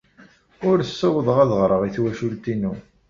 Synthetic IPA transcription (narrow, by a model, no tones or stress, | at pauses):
ʊɾsːəwəðˤəʁæðəʁɾˤəʁiθwæʃult̪inu